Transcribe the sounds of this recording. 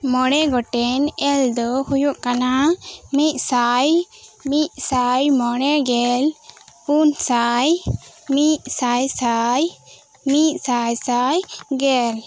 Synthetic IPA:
mɔɽ̃ɛɡɔʈɛnɛld̪ɔhujuʔkanamiʔsajmiʔ̚ˀsajmɔɽ̃ɛɡɛlpunsajmiʔ̚ˀsajsaj | miʔ̚sajsajɡɛl

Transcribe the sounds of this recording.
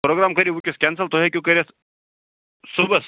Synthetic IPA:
pɾoɡɾamkɐɾibukʲuskʲɛnsəlt̪oɦekʲjũkəɾʲes | subəs

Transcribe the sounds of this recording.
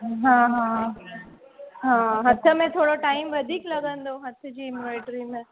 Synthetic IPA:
ɦãːɦãː | ɦãːɦɐt̪ʰə̆mẽt̪ʰoːɽoʈaːɪmʋɐd̪ʱiːklɐɡə̃nd̪oɦɐt̪ʰə̆d͡ʑiːɪmjuleːʈɾimẽ

